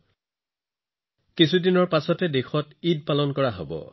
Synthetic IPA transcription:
kisʰudinɔɹpasɔtɛdexɔtid̚palɔnkɔɹaɦo̰bɔ̰

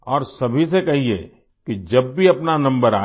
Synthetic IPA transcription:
ɔːɾsɐbʱis̬ekɐɦiḛ | kid͡ʒɐbːiɐpnanɐ̃mbəɾa̰ː

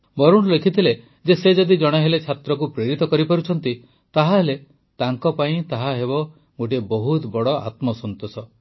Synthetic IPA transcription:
bɔɾuɽ̃lekʰit̪ʰile | d͡ʒesed͡ʒɔd̪id͡ʒɔɽ̃eɦelet͡ʃʰat̪ɾɔk̬upɾeɾit̪ɔkɔɾipɔɾut͡ʃʰɔnt̪i | t̪aɦaɦele | t̪aŋkɔpaĩt̪aɦaɦeβɔ | ɡoʈ̬ebɔɦut̪bɔɽɔa̰t̪mɔsɔnt̪osɔ

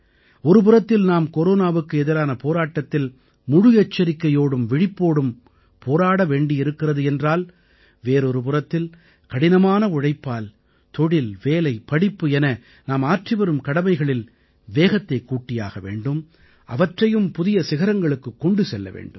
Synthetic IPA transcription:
ɔɾɯp̬ɯrɐt̪ːɪlnaːmkɔɾoːnaːʋɯkːɯɛðɪɾaːnɐpoːɾaːʈːɐt̪ːɪl | mʊɻʊjɛt͡ʃːɐɾɪkːɐjoːɽɯmʋɪɽɪpːoːɽɯm | poːɾaːɽɐʋeːɳɖɪɪɾɯkːɪrɐðɯɛndraːl | ʋeːɾɔɾɯp̬ɯrɐt̪ːɪl | kɐɽɪnɐmaːnɐʊɻɐɪpːaːl | t̪ɔɽɪlʋeːlɐɪpɐɽɪpːɯɛnɐ | naːmaːʈriʋɐɾɯmkɐɽɐmɐɪɣɐɭɪl | ʋeːɣɐt̪ːɐɪkːuːʈːɪja̰ːɣɐʋḛːɳɖɯm | ʔɐ̰ʋɐʈrɐjɯmpʊðɪjɐsɪɣɐɾɐŋɡɐɭɯkːɯkːɔɳɖɯsɛlːɐ̰ʋḛːɳɖɯm

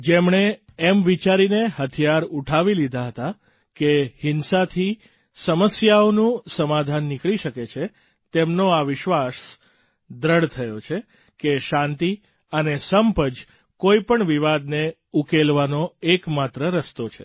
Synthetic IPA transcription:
d͡ʒemɳeemʋit͡ʃaɾineɦət̪ʰijaɾuʈʰaʋilid̪ʱaɦət̪a | kehɪnsat̪ʰi | səməsjaonũsəmad̪ʱanːɪkɭiʃəket͡ʃʰe | t̪emnoaʋɪʃʋas | d̪ɾəɽt̪ʰəjot͡ʃʰe | keʃãnt̪i | ənesəmpəd͡ʒ | koipəɳʋiʋad̪ne | ukelʋanoekmat̪ɾəɾəst̪ot͡ʃʰe

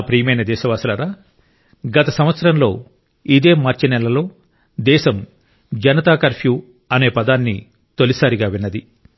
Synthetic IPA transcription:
pɾiːjɐmɐjnɐd̪ɛːʃɐʋaːsɐlɐɾaː | ɡɐt̪ɐsɐmʋɐt̪sɐɾɐmlo̞ː | id̪e̞ːmaːɾt͡ʃinɛlɐlo̞ː | d̪ɛːʃɐm | d͡ʒɐnɐt̪aːkɐɾpʰju | ɐne̞ːpɐd̪aːnːi | t̪o̞lisaːɾiɡaːʋinːɐd̪i

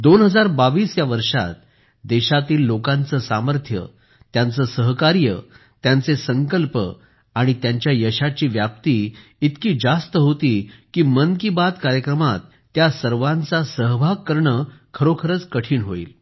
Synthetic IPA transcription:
d̪onɦəd͡zaɾbaʋiːsjaʋəɾʂa̰t̪ | d̪eɕat̪iːlːokãnt͡səsaməɾt̪ʰjə̰ | t̪jãnt͡səsəɦkaɾjə | t̪jant͡sesəŋkəlpə | aɽ̃it̪jaɲt͡ɕjajəɕat͡ɕiːʋjap̚t̪iːt̪kiːd͡zast̪əɦot̪iːkiːmənkibat̪kaɾjəkɾəmat̪ːjasəɾʋãnt͡sasəɦbʱaɡ̚kəɾɳəkʰəɾokʰəɾət͡skəʈʰiːnɦoḭːl

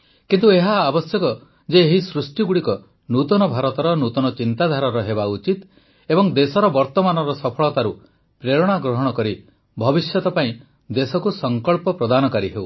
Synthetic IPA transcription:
kint̪ueɦaːbɔsjɔkɔ | d͡ʒeːɦisɾusʈiɡuɽikɔ | nut̪ɔnɔbʱaɾɔt̪ɔɾɔnut̪ɔnɔt͡ʃint̪ad̪ʱaɾɔɾɔɦebaut͡ʃit̪ | ebɔŋd̪esɔɾɔbɔɾt̪ɔmanɔɾɔsɔpʰɔɭɔt̪aɾu | pɾeɾɔɽ̃aɡɾɔɦɔɽ̃ɔkɔɾi | bʱɔbisjɔt̪ɔpaĩ | d̪esɔkusɔŋkɔɭpɔpɾɔd̪anɔkaɾiɦew

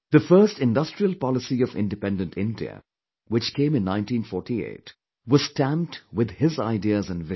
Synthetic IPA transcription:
ð̥əfɜːstɪ̃ndʌstɹ̥iəlˠpɑlɪsiʌvɪ̰̃ndɨpɛ̃ndə̃ntʰɪ̃ndiə̰ | wɨt͡ʃkʰẽɪ̃mɨ̃nːãɪ̃ntĩːnfɔːɹʈiḛɪt | wʌz̥stæ̃mtwɪd̪̚ɪzaɪdiəzə̃nvɪ

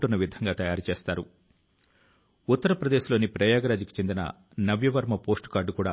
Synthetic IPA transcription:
ʈunːɐʋid̪ʱɐŋɡaːt̪ɐjaːɾut͡ʃeːst̪aːɾu | ut̪ːɐɾɐpɾɐd̪e̞ːʃilo̞ːnipɾɐjaːɡɐɾaːd͡ʒiki̥t͡ʃe̞nd̪inɐ̰ | nɐʋjɐʋɐɾmɐpo̞ːsʈu̥kaːɾɖkuːɽa̰ː

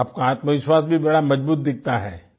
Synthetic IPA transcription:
aːp̚kaaːt̪məʋɪʃwaːsbʱibɐɽamɐd͡ʒbuːt̪̚d̪ɪk̚ʰt̪aɦɛː

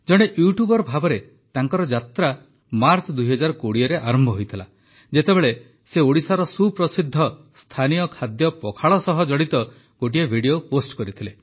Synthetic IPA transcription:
d͡ʒɔɽ̃eʔjuʈjubɔɾɔbʱabɔɾe | t̪aŋkɔɾɔd͡ʒat̪ɾa | maɾt͡ʃɔd̪ujɦɔd͡ʒaɾkoɽiɔɾeʔaɾɔmbʱɔɦojt̪ʰila̰ | d͡ʒet̪ebeɭe | seoɽisaɾɔsupɾɔsid̪ʱːɔ | st̪ʰanijɔkʰad̪jɔpɔkʰaɭɔsɔɦɔd͡ʒɔɽit̪ɔ | ɡ̥oʈ̬iebʱiɽijoposʈkɔɾit̪ʰile

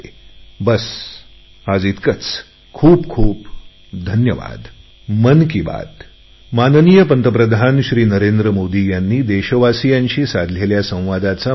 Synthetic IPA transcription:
bəs | ad͡zit̪kət͡s | kʰuːbkʰuːp | d̪ʱənjəʋa̰d̪ | mənkiba̰d̪ | manənijəpənt̪əpɾəd̪ʱanɕɾiːnəɾend̪ɾəmod̪ijanːiːd̪eɕəʋasijãɲɕiːsad̪ʱleljasə̃w̃ʋad̪at͡sa

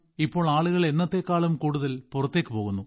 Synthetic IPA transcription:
ipːo̞ːɭaːɭuɣɐɭe̞nːɐt̪ːe̞ːkːaːɭumkuːɽuðɐlpurɐt̪ːe̞kːɨpo̞ːɣunːu

